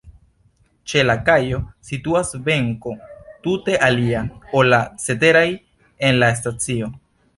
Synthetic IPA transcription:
t͡ʃe̞lakajo̞situasbe̞ŋko̞tute̞ʔaliao̞lase̞te̞ɾaj | e̞nlaes̬tat͡sio̞

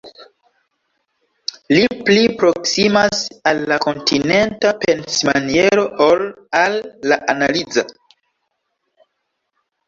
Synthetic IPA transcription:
liplipɾo̞ksimasalːako̞ntʰine̞ntape̞nsmanie̞ɾo̞ol | alːaʔanalid͡za

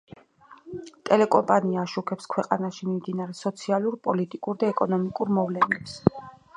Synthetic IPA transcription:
t̪ʼɛlɛkʼɔmpʼaniaːʃukʰɛpskʰwɛqʼanaʃimimd̪inaɾɛsɔt̪sʰialˠuɾpʼɔlit̪ʼikʼuɾd̪aɛkʼɔnɔmikʼuɾmɔvlɛnɛps

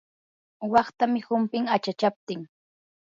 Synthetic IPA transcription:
wɑχt̪amɪhʊmpɪŋat͡ʃat͡ʃap̚t̪ɪŋ

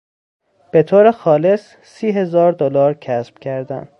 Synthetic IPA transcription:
b̥e̞t̪ʰoːɾexɒːle̞sː | iːɦe̞zɒːɾd̪olɒːɾcʰæsb̥cʰæɾd̪æ̰n

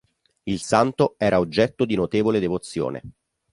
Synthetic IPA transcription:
ilsant̪oɛːɾaod͡ʒːɛt̪ːod̪inot̪eːvoled̪evot̪sːjo̰ːnḛ

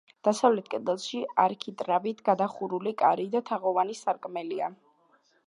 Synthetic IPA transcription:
d̪̥asavlɛt̪̚ʰkʼɛd̪ɛlˠʃiaɾkʰit̪ʼɾabit̪ʰɡ̥ad̪aχuɾulikʼa̰ɾid̪at̪ʰaʁɔvanisaɾkʼmɛlia

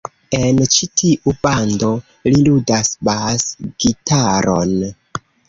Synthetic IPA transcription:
e̞nt͡ʃitʰiʔubando̞ | liludasbasɡ̥itaɾo̞̰n

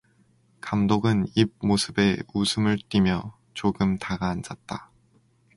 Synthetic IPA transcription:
kamdoɡɯnib̚mosʰɯbe̞usʰɯmɯɭt͈imjʌ | t͡ɕoɡɯmtaɡaːnd͡ʑat̚t͈a

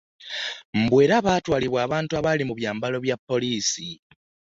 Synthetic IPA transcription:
m̩bwe̞ːɾaβatwaːliβwaːβaːntuaβalimuβjaːmbalo̞βjapːo̞liːsi

